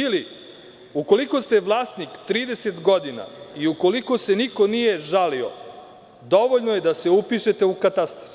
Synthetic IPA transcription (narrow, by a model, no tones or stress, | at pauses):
ili | uko̞liko̞st̪e̞ʋlˠaːsnikt̪ɾiːd̪ese̞t̪ɡo̞d̪ina̰iuko̞liko̞se̞niko̞nije̞ʒalio̰ | d̪o̞ʋoʎnoje̞d̪ase̞upiʃe̞t̪e̞ukat̪ast̪ɾofi